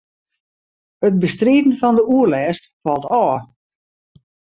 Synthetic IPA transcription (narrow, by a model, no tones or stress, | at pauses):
ət̚bəstriːdn̩fɔndəuərlɛːstfɑlˠtɔː